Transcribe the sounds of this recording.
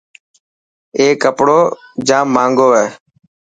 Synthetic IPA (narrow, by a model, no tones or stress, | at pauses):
eːkəpɽoːd͡ʒãːmãːŋɡoːɛː